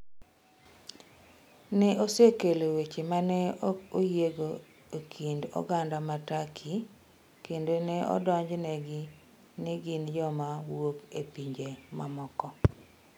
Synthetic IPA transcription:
nɛʔosekelowet͡ʃemanɛojeɡo | okʰindɔ̰ɡandamatakʰi | kendonɛɔ̰dɔɲd͡ʒnɛɡɪ | nɪɡind͡ʒɔmawokepiɲd͡ʒemamɔkɔ

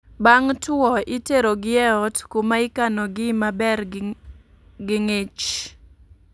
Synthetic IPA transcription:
baŋtɔiteɾoɡɪɛɔtkumaikanɔɡɪmabɛr | ɡɪŋet͡ʃ

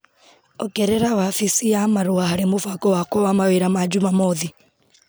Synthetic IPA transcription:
ɔkɛɾɛɾawafisiamaɾoaɦaɾemofakɔwakwɔwamaweɾamad͡ʒumamɔði

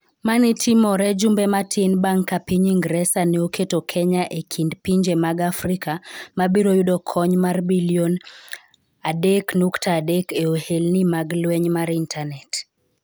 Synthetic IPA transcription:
manitʰimɔɾɛd͡ʒumbɛmatʰɪnbaŋkːapiɲiŋɡɾɛsanɛokʰetokʰɛɲaʔekʰindpiɲd͡ʒemaɡafrikamabiɾojudɔkʰɔɲmarbiljɔn | adeknuktaːdɛkeohelnimaɡlwɛɲmaɾintʰanɛt

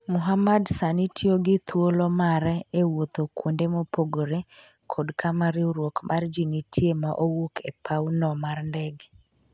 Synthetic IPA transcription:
mʊɦamadsanitʰjoɡɪt̪wolomaɾɛewot̪okwondemopoɡoɾe | kʰodkʰamaɾɪuɾwokmʔard͡ʒinitʰjemaʔowukepʰaunɔmaɾndɛɡ

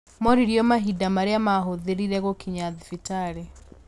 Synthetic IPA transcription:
mɔɾiɾjɔmaɦidamaɾeamaɦoðeɾiɾɛɣokʰiɲaðifitaɾe

